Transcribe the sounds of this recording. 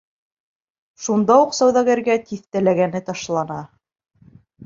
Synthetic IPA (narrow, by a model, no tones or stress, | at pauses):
ʃund̪ɑuqsæwðɑɡæɾɡæt̪iθt̪ælæɡænɘt̪ɑʃlˠɑnɑ